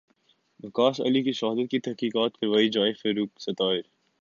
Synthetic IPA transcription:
mɐkaːsɐ̰likiʃɐɦaːd̪ət̪̚kit̪ɐɦkiːkaːt̪kɐɾʋaːid͡ʒaːɪfeːɾuːksɐt̪aːɪɾ

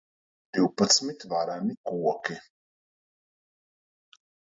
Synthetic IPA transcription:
d̪̥iwpat̪smit̪vaɾanikuɔki

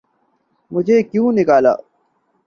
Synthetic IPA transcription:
mʊd͡ʑʱeːkjũːnɪkaːla̰ː

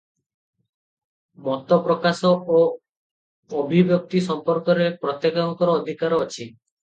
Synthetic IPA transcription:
mɔt̪ɔpɾɔkasɔo | bʱibjɔk̚t̪isɔmpɔɾkɔɾepɾɔt̪jekɔŋkɔɾɔːd̪ʱikaɾɔɔt͡ʃʰi

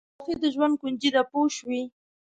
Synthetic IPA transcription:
fed̪əʒwand̪̚kund͡ʒid̪apoʃwi

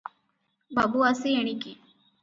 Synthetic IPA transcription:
bɐbuɐsieɳiki

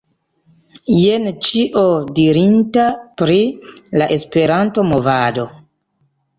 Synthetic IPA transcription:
jent͡ʃiʔodiɾintapɾilaʔe̞spe̞ɾanto̞mo̞vado̞

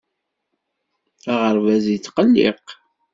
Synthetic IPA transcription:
æʁəɾvæzjət͡sːqəlːɪ̰q

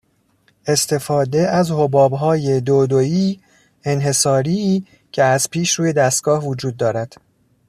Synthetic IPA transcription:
e̞st̪ʰe̞fɒːd̪eæzhobɒːbɦɒːje̞d̪oːd̪oiː | enɦe̞sɒːɾiː | cʰe̞æzpʰiːʃɾuːje̞d̪æst̪̚ɡ̥ɒːhvod͡ʒuːd̪̚ːɒːɾæd̪̥

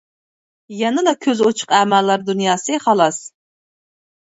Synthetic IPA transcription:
jɛnɨd̪ɑkʲʰøzot͡ʃʰʊ̥qæmælːɑɾd̪unjɑːsɨχɑlˠɑs

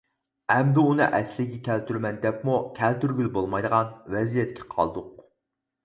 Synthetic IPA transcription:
ɛmd̪ɪunɨ̰ʔɛslɪɡʲɛkʲʰælt̪yɾmɛnd̪ɛpmukʲʰɛlt̪yɾɡʲylbolˠmɑjd̪əʁɑnvɛzijɛt̪kʲʰɛ̥qʰɑ̰lˠd̪ʊq

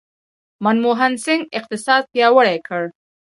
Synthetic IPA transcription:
manmoɦansɪŋɡɪq̚t̪ɪsɑd̪̚pjɑwəɽakʰəɽ

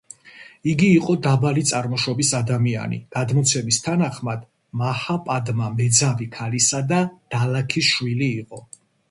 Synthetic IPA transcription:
iɡiːqʼɔd̪abalit̪sʼaɾmɔʃɔbisad̪amia̰nḭɡ̥ad̪mɔt̪sʰɛmist̪ʰanaχmad̪ | mahapʼad̪mamɛd̪zavikʰalisad̪ad̪̥alakʰiʃwiliːqʼɔ

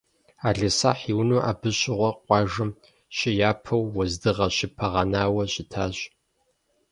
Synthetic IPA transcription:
aːɮɐsaːħiːwnuːʔaːbɨɕʼɪʁʷɔqʷɑːʒɐɨm | ɕɪjaːpʰɐwːɐzdɨʁɐɕɪpʰɐʁɐnaːwɐɕʼɪtʰaːɕ

